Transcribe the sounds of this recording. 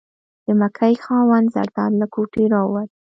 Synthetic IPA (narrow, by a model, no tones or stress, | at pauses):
d̪̥əmakʰajxɑwand̪za̰ɾd̪ɑnlakʰoʈiɾɑwaɾ